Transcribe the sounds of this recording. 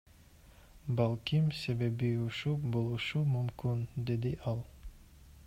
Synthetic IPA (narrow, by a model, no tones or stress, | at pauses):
balˠkimse̞be̞biuʃubo̞lˠuʃumymkynd̪e̞d̪iʔɑlˠ